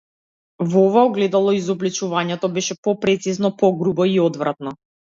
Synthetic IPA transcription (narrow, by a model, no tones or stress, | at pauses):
vɔɔvaɔɡlɛd̪alˠɔizɔblit͡ʃuvaɲɛt̪ɔbɛʃɛpɔpɾɛt̪siznɔpɔɡɾubɔiɔd̪vɾat̪nɔ